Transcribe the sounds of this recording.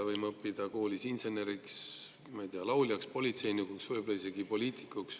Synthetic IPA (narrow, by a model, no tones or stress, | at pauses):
vɤjmɤpːid̪̥ɑko̞ːlʲisinse̞ne̞ɾiks | mɑjt̪iɑlɑwlʲjɑkspo̞lʲit̪se̞jnikuksvɤjbo̞lɑise̞ɡ̥ipo̞lʲiːt̪i̥kːˑuks